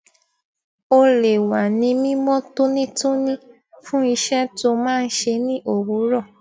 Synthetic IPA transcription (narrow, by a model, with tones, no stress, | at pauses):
o˧le˨wa˨nĩ˧mĩ˦mɔ̃˦to˦nĩ˦tu˦nĩ˦ | fũ˦i˧ʃɛ˦to˧mãː˦˧n̩˦ʃe˧nĩ˦ʔo˦˨wu˨˦ɾɔ˦˨